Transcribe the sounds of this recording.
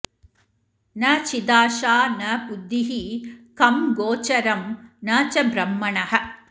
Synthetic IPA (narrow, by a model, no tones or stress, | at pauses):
nɐt͡ʃid̪aːʃaːnɐpud̪ːiɦikɐmɡoːt͡ʃɐɾɐmnɐt͡ʃɐbɾɐmːɐɳɐɦɐ̆